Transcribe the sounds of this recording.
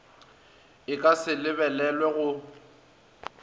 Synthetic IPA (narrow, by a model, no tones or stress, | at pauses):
ɪkʼasɪlɪβɛlɛlwɛɣʊ